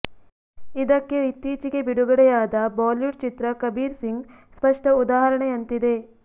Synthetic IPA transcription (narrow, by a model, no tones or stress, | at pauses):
id̪ɐkːeit̪ːiːt͡ʃiɡe̞biɽuɡɐɽɛjaːd̪ɐbaːljuʈt͡ʃit̪ɾɐkɐbiːɾsiŋɡ | spɐʂʈɐud̪aːɦɐɾɐɳeɐnt̪id̪e̞